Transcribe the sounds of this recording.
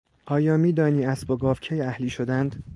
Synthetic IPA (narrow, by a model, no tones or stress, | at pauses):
ʔɒːjɒːmiːd̪ɒːniːæsboɡɒːvcʰejæhliːʃod̪ænd̪̥